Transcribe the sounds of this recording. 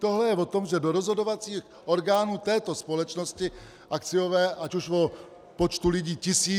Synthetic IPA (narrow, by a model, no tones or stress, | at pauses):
t̪oɦlɛjɛvot̪omʒɛdoɾozɦo̞dovat͡siːx | ʔo̞ɾɡaːnuːt̪ɛːt̪o̞spo̞lɛt͡ʃnoscɪ | ʔakt͡sɪjovɛːʔacuʃvo | pot͡ʃt̪ulɪɟiːcɪsiː